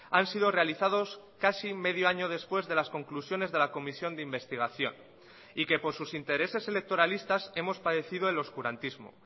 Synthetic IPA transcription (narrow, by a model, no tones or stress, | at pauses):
ansiðo̞re̞aliθaðo̞s | kasimeðjoaɲo̞ð̞e̞spwe̞zðe̞lasko̞ŋklusjo̞ne̞zðe̞lako̞misjo̞nd̪eimbe̞st̪iɣ̞aθjo̞̰n | ike̞po̞ɾsusint̪e̞ɾe̞se̞se̞le̞k̚t̪o̞ɾalist̪ase̞mo̞spaðe̞θiðoelo̞skuɾant̪izmo̞̰